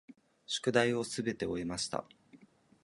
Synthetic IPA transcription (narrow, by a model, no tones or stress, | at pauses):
ɕo̥kɯ̟d̪aio̞sɨbe̞t̪e̞o̞emaɕi̥t̪a̰